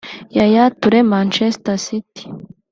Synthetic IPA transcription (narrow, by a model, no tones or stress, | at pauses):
jajatuɾemaːnt͡ʃestasiti̥